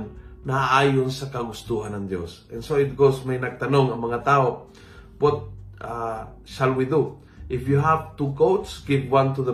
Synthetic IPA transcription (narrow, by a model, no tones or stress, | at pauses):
nnɐaʔaːjʊnsɐkɐɡʊst̪uɦanɐŋd̪jo̰sʔɛnsoɪt̪̚ɡowsmajnɐɡ̚t̪ɐnoŋɐŋmɐŋat̪aːʔo | wɔt̪̚ʔa | ʃalwid̪u | ʔɪfjuɦavt̪ukowt̪sɡɪvwãnt̪uðə